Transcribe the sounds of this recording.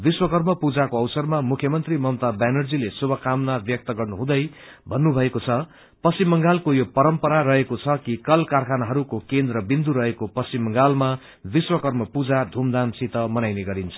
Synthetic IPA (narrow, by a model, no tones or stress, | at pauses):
biswʌkʌrmʌpud͡zakoʌwsʌrmamukʰjʌmʌnt̪rimʌmt̪abanʌrd͡zilesubʱʌkamnabjʌk̚t̪ʌɡʌrnuɦũd̪ʌj | bʱʌnːubʱʌekot͡sʰʌ | pʌsimːʌŋɡalkojopʌɾʌmpʌɾaɾʌɦekot͡sʰʌkikʌlkarkʰanaɦʌɾukokend̪rʌbind̪uɾʌɦekopʌsimːʌŋɡalma | biswʌkʌrmʌpud͡zad̪ʱumd̪ansit̪ʌmʌnajneɡʌɾint͡sʰʌ̥